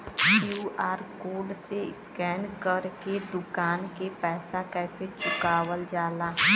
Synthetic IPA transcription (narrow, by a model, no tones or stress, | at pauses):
juːaːɾkoːɾɖseɪ̰skɛːnkəɾked̪ʊkaːnkepɛːsakɛːset͡ʃʊkaːwəld͡ʒaːlaː